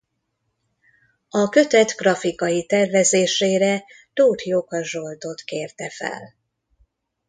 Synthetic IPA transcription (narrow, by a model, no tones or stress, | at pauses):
ɒkø̞t̪ɛt̪ɡrɒfikɒjit̪ɛrvɛzeːʃeːɾɛ | t̪oːt̪jokɒʒo̞lt̪o̞t̪keːrt̪ɛfɛ̰l